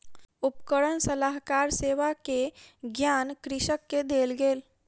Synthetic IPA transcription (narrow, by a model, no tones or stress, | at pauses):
upkəɽənsəlaɦkaɾseːʋakeɡjankɾɪʃəkːed̪eːlɡeːl